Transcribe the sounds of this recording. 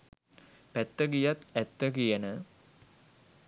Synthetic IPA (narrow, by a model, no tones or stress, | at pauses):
pæt̪ːəɡijat̪æt̪ːəkijənə